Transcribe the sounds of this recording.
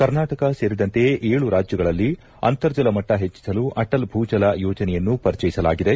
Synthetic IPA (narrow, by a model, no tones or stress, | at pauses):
kɐɾnaːʈɐkɐse̞ːɾid̪ɐnt̪e̞ʔeːɭuɾaːd͡ʒjɐɡɐɭɐlːi | ɐ̰nt̪ɐɾd͡ʒɐlɐmɐʈːɐɦet͡ʃːi̥sɐluʔɐʈɐlbʱuːd͡ʒɐlɐjɔːd͡ʒɐnɛjɐnːupɐɾit͡ʃɐjisɐla̰ːɡid̪e